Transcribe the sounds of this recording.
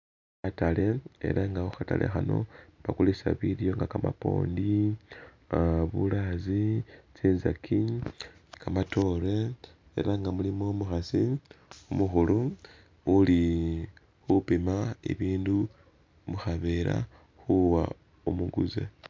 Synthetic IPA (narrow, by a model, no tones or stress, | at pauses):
atale̞ḛɾʔaŋɡauxata̰lʔe̞̰xano̞̰βakulisaβiɾjo̞ŋɡakamapo̞̰ːndi | βulazit͡siːnzakʰi | kamato̞ɾe̞ | e̞̰ɾʔaŋɡamulimo̞muxasiumuxulu | uli | xupimaḭβiːndu | muxaβe̞ɾa̰ | xuwa | umuɡuzḛ